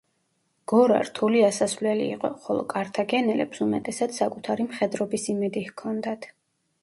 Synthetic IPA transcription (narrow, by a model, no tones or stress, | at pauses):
ɡ̥ɔɾa̰ɾt̪ʰuliasasvlɛlḭːqʼɔ̰χɔlˠɔ̰kʼaɾt̪ʰaɡɛnɛlɛ̰psumɛt̪ʼɛsat̪sakʼut̪ʰaɾimχɛd̪ɾɔbisimɛd̪ihkʰɔnd̪at̪ʰ